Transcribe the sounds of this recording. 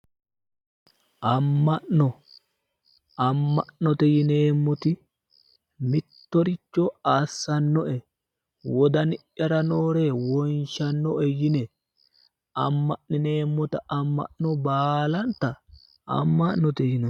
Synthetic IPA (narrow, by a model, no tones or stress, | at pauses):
ʔɐmːɐʔnɔ | ɐmːɐʔnɔt̪ɛjɪne̞ːmːɔt̪ɪ | mɪt̪ːɔɾɪt͡ʃːɔaːsːɐnːɔʔɛ | wɔd̪ɐnɪʔjɐɾɐnoːɾeːwɔnʃɐnːɔʔɛjɪnɛ | ɐmːɐʔnɪne̞ːmːɔt̪ɐɐmːɐ̰ʔnɔbaːlɐnt̪ɐ | ɐ̰mːɐʔnɔt̪ɛjɪnɔ